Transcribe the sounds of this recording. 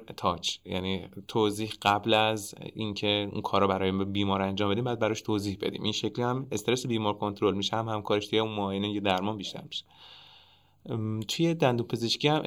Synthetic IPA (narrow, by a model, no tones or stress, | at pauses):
t̪ʰɒːt͡ʃjæ̰niːt̪ʰoziːhɢæblæzḭŋcʰeṵnkʰɒːɾɔbæɾɒːjimbbiːmɒːɾænd͡ʒɒːmbe̞d̪imbɒjæd̪bæɾɒʃt̪ʰoziːhbe̞̰d̪ḭːmʔinʃeclihæmest̪eɾesebiːmɒːɾkʰo̞nt̪ɾolmiːʃehæmhæmkʰɒːɾeʃt̪ʰujeunmɒjinijed̪æɾmɒːmbiʃt̪ʰæ̰ɾmi̥ʃe̥ | t̪ʰujed̪ænd̪uːmpʰe̞zeʃcʰiːhæm